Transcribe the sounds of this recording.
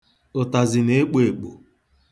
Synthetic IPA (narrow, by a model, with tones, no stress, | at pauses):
ʊ˨ta˨zɪ˨ne˦e˦k͡pe˨k͡po̰˨